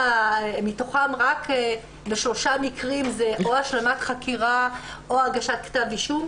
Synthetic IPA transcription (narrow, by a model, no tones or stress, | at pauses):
mitoχamʁak | beʃlo̞ʃamikʁimzeʔoaʃlamat̪χakiʁaoaɡaʃat̪ktaviʃum